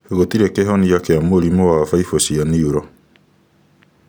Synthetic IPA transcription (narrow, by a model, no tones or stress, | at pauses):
heɣotiɾekeɦɔnijakeamoɾimowafaifoɕianiuɾɔ